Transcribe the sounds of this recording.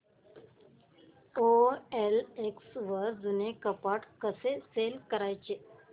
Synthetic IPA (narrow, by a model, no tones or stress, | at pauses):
oeleksʋəɾd͡zunekəpaʈkəseselkəɾajt͡ɕe